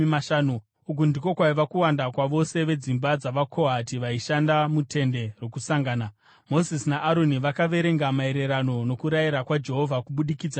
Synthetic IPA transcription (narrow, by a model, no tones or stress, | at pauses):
maʃaːnu | uk̬undiko̞kwaiʋakuwandakwaʋo̞se̞ʋe̞d͡zimbad͡zaʋakʰo̞ɦatiʋaiʃandamutʰe̞nde̞rwo̞kusaŋɡaːna | mo̞zisinaʔːɾo̞niʋakaʋe̞ɾe̞ŋɡamae̞ɾe̞ɾano̞no̞kuɾajiɾakwad͡ʒe̞ɦo̞vʱakuɓuɗikid͡za